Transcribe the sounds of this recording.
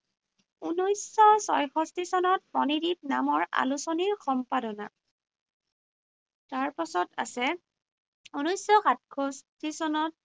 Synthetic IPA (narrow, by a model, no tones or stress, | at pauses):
unojsːɔsɔ̰jxɔstisɔnɔt̚pɔnidip̚namɔɹa̰lusɔniɹxɔmpadɔna̰ | taɹpasɔta̰sɛ | unɔjsːɔxat̚kʰɔstʰisɔnɔt̚